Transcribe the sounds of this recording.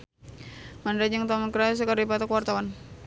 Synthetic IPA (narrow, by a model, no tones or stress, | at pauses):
mandɾad͡ʒaŋt̪amankɾas̬kaɾdipat̪ɔkwart̪awan